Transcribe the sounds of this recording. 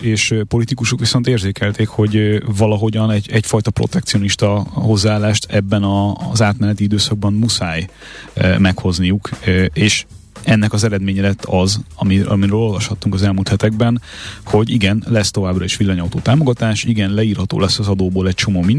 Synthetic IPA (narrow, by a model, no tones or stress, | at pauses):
eːʃpo̞lit̪ikuʃukʋiso̞nt̪eːrzeːkɛlt̪eːkho̞ɟvɒlɒɦo̞ɟɒnɛɟɛcfɒjt̪ɒpro̞̰t̪ɛkt̪sio̞niʃt̪ɒɦo̞zːaːlaːʃt̪ʰɛbːɛnɒzaːt̪mɛnɛt̪iid̪øːsɒɡ̚bɒmmusaːj | mɛkho̞znijukeːʃ | ɛnːɛkɒzɛɾɛd̪meːɲɛlɛt̪ːɒzɒmiɒ̰miɾøːlo̞lvɒʃhɒt̪ːuŋkɒzɛlmult̪hɛt̪ɛɡ̚bɛnho̞ɟiɡɛnlɛst̪o̞vaːbrɒeːʃʋilːɒɲɒwt̪oːt̪aːmoɡɒt̪aːʃiɡɛnlɛiːrhɒt̪o̰ːlɛsːɒzɒd̪oːboːlɛc̚t͡ʃo̞moːmin